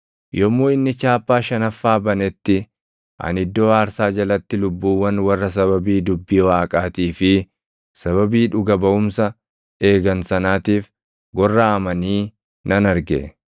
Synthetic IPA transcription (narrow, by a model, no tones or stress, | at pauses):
jɔmːoːɪnːɪt͡ʃaːpːaːʃɐnɐfːaːbɐnɛt̪ːɪ | ʔɐ̰nɪd̪ːo̞ːaːɾsaːd͡ʒɐlɐt̪ːɪlʊbːuːwːɐnwɐrːɐs̬ɐβɐbiːd̪ʊbːiːwaːkʼaːt̪iːfɪ | sɐβɐbiːᶑʊɡɐbɐʔʊmsɐ | e̞ːɡɐnsɐnaːt̪iːf | ɡɔrːaʔɐmɐniː | nɐnɐɾɡḛ